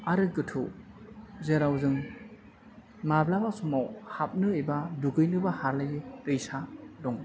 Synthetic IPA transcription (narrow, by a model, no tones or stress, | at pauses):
aɾɯɡɯtʰṵ | zeɾawzɯŋ | mablabasɔmawhap̚nɯijbaduɡɯjnɯbahaɾlajtɯjsadɔŋ